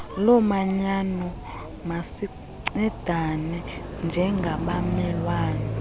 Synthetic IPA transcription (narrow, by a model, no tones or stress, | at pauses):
lɔmaɲanɔ | masi | ǀɛd̥ʱanɛnd͡ʒʱɛŋɡʱaɓamɛlwaːnɛ